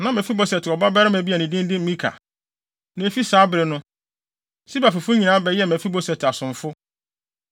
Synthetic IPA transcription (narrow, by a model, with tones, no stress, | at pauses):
nã˨mɛ̃˨fi˦bɔ˦sɛ˨tɪ˨ɔ˨ba˦bɛ˦ɾɪ˦mæ̃˨bi˦a˨nɪ̃˨dĩ˦n˦dɪ̃˦m̩˦mĩ˦kʰa̰˨ | nẽ˨˦fi˦saː˨˦bɪ˨ɾɪ˨nʊ̃˦ | si˦ba˨fɪ˨fʊ˦ɲĩ˨nã˨˦bɛ˨jɛ˦˨mɛ̃˨fi˦bɔ˦sɛ˨tɪ˨a˨sʊ̃˨ɱ˨fʊ˦